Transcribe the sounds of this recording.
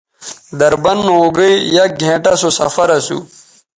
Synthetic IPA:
d̪ɐɾbɐnːoːɡəijaɡʱẽːʈasosɐ̰fɐɾɐsṵː

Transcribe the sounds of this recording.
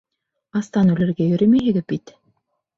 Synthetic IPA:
ɑst̪ɑnʉlɘ̆ɾɡæjɵ̆ɾɘmiɦɘ̆ɡɘbit̪

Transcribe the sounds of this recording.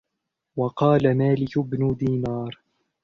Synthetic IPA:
wɑqɑːlamaːlɪkbnʊd̪iːnɑːɾˤ

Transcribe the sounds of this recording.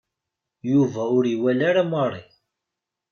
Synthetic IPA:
juvæʊɾiwælaɾamərˤḭ

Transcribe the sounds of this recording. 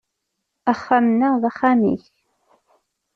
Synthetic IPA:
aχːamnəʁðaχːamḭç

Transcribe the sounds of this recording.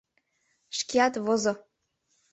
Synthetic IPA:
ʃkʲiɑt̪βozo

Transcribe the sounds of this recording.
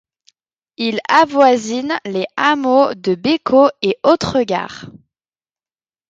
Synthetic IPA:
ilavwazinleamod̪əbekʰoeot̪χəɡa̰ːʁ

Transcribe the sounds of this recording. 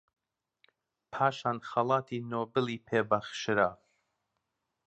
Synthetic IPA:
pʰaʃanχalˠat̪ʰinobəlipʰeːbaχʃɾa

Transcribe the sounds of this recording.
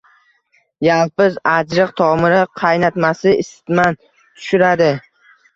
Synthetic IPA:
jalˠpɪzad͡ʒɾɨqt̪ʰɒmɪɾɪqʰɑjnat̪masɪɪsɪ̥t̪man | t̪ʰʊ̥ʃʊɾad̪ɪ

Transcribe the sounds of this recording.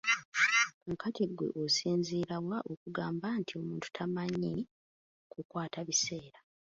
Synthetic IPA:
ŋkatiɡwe̞̰ʔosiːnziːɾawaʔokuɡaːmbantio̞muːntu̥tʰamaɲe | kukwaːtaβise̞ːɾa

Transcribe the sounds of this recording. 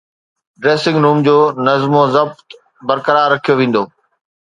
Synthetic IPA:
ɖɾeːsɪ̃ŋɡɾuːmd͡ʑoːnɐzmozɐb̚t̪ | bɐɾkəɾaːɾːɐkʰijoʋẽːn̆d̪oː

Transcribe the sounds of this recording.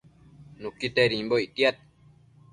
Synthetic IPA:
nũkit̪eɾĩmboit̪iat̪̚

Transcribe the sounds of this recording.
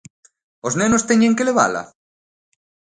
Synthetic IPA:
oznenost̪eɲeŋkeleβa̰la̰

